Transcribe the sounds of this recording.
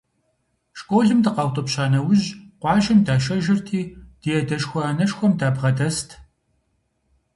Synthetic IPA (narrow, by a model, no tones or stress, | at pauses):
ʃkʷʼoːɮɨmdɨqɑwtʼɔpɕaːnɐwʊʑqʷɑːʒɪmdaːʃ̬ɐʒɪrtʰiːd̥ijɛdɐʃxʷɔaːnɐʃxʷɔmdaːbʁɐdɐstʰ